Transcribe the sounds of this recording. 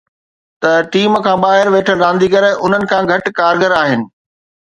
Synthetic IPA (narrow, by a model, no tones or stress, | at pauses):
t̪ɐʈiːmkʰãːbaːɦɪɾʋeːʈʰəɾãːnd̪iːkɐɾʊn̤ənɪ̆kʰãːɡʱɐʈkaːɾɡəɾaːɦɪnɪ̆